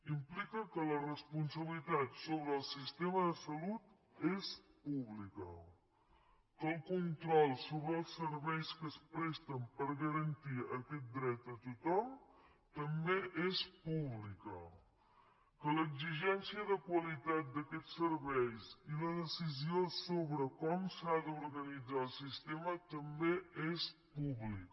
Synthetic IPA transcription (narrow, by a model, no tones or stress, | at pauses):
implikəkələrəspunsəβlit̪at̪soβɾəːlˠsist̪eməðəsəlut̪ | espuβlikə̰ | kəlˠkunt̪ɾɔlˠsoβɾəːlˠsəɾβɛjskəspɾɛst̪əmpəɾɣəɾənt̪iəkɛt̪̚d̪ɾɛt̪ət̪ut̪ɔm | t̪əmbeʔespuβlikə | kələɡziʒɛnsiəðəkwəlit̪at̪̚d̪əkɛsəɾβɛjsiləðəsiziosoβɾəkɔmsaðəuɾɣənid͡zalˠsist̪emət̪əmbeespuβlik